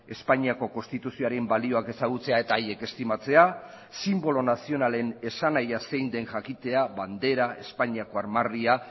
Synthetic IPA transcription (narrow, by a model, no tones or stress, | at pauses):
e̞spaɲiako̞ko̞nst̪it̪usio̞aɾe̞mbalio̞ake̞saɣ̞ut͡se̞ae̞t̪aːje̞ke̞st̪imat͡se̞a | simbo̞lo̞nasio̞nale̞ne̞sanajase̞jnd̪e̞nʝakit̪e̞aβand̪e̞ɾae̞spaɲiako̞aɾmaria